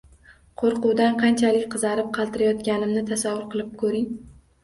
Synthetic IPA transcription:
qʰoɾqʊwd̪anqʰɑnt͡ʃʰalɪk̚ʲqʰɨzɑɾɪp̚qʰɑlˠt̪ɪɾajɒt̪ɡʲanɪmnɪt̪ʰasavːʊɾqʰɨlˠɪp̚kʰɵɾɪŋ

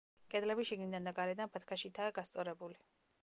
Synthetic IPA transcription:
kʼɛd̪lɛbiʃiɡnid̪and̪aɡaɾɛd̪anpʰat̪ʰkʰaʃit̪ʰaːɡast̪sʼɔɾɛbuli

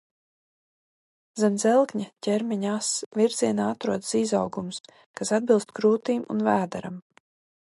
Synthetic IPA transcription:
zɛnzɛlˠkɲacʲɛɾmʲiɲasvʲiɾziɛnaːat̪ɾuɔd̪əsizawɡums | kasad̪̚bilˠst̪kɾuːt̪iːmṵnvæːd̪a̰ɾa̰m

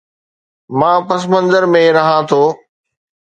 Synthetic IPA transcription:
mãːpɐs̬mə̃nzəɾmẽɾɐɦãːt̪ʰoː

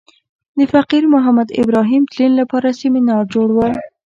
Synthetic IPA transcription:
d̪əfaqiɾmʊɦamad̪ɪ̰bɾɑɦimt̪linlapɑɾasimenɑd͡ʒoɽwəl

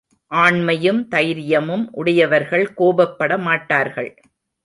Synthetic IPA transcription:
ʔaːɳmɐjɯmt̪ɐjɾɪjɐmɯmʔʊɽɐjɐʋɐɾɣɐɭkoːbɐpːɐɽɐmaːʈːaːɾɣɐɭ

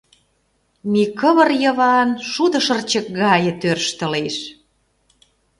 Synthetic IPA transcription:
mikəβərjə̆βɑnʃud̪ə̆ʃə̆rt͡ɕə̆k̚ɣɑjə̆t̪ørʃt̪ə̆leʃ

